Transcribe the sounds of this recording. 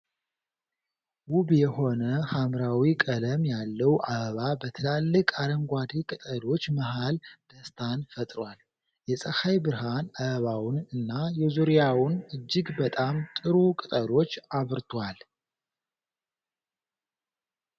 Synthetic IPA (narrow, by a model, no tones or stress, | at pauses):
wubjɛho̞nəhamɾawikʼələmjalːəwʔaβabət̪ʰɨlalːɨkʼaɾəŋɡʷad̪ikʼɨt̪ʼəd̪o̞t͡ʃːməɦald̪̥əst̪ʰanfət̪ʼɾwal | jɛsʼəxajbɨɾɦanaβawʊnɨnːajɛzuɾijawʊnɨd͡ʒːɨɡbət̪ʼamt̪ʼɨɾukʼɨt̪ʼəd̪o̞t͡ʃːaβɾt̪ʰwal